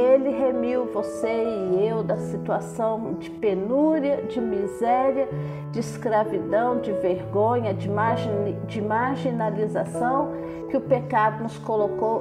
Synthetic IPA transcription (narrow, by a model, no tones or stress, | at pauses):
elɪɦemiwvoseɪewd̪ɐsit̪uasɐ̃w̃d͡ʒɪpenuɾɐd͡ʒɪmizɛɾiɐ | d͡ʒɪiskɾavid̪ɐ̃w̃d͡ʒɪveɾɡõɲɐd͡ʒɪaʒd͡ʒɪmaɾʒinalizasɐ̃w̃ | kɪʊpekad̪ʊnʊskolokow